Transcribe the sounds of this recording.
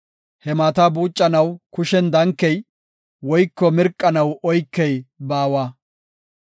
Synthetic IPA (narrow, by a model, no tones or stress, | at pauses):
hɛmaːt̪ɐbuːt͡ʃʼːɐnɐwkʊʃɛnd̪ɐŋkːɛj | wɔjkːɔmɪɾkʼːɐnɐwɔjkːɛjbaːwaː